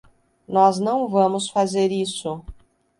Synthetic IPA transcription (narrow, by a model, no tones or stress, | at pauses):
nɔznɐ̃w̃vɐ̃mʊsfazeɾisʊ